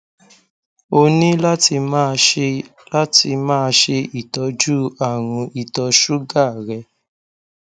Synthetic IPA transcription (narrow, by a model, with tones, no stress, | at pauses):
o˧nĩ˦la˦ti˧ma˦˧la˦ti˧mãː˦˧ʃe˧i˦˨tɔ˧˦d͡ʒu˦a˨ɾ̃ũ˧ʔi˨tɔ˧ʃu˦ɡa˦˨ɾɛ˧